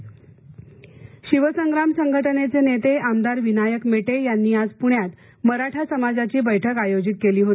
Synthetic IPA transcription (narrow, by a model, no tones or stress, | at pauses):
ɕiʋəsəŋɡɾamsəŋɡʱəʈənet͡senet̪eamd̪aɾʋinajəkmeʈejanːiːad͡zpuɳjat̪ | məɾaʈʰasəmad͡zat͡ɕiːbəjʈʰəkajod͡zit̪̚keliːɦot̪i